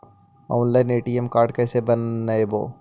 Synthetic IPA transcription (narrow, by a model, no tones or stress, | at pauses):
ɔ̃ːnlaːɪneːʈiemkaːɾɖkɛːsebɐnːaebo̰ː